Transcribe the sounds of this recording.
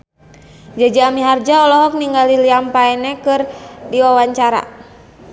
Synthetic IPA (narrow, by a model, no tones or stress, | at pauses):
d͡ʒad͡ʒaːmiɦard͡ʒaɔlɔɦɔk̚niŋɡaliliampaɛnɛkɨrdiwawaɲt͡ʃaɾa̰